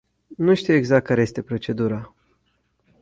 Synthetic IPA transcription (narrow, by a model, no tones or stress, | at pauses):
nuʃt̪iwe̞ɡzak̚t̪̚kːaɾejest̪epɾo̞t͡ʃe̞d̪uɾa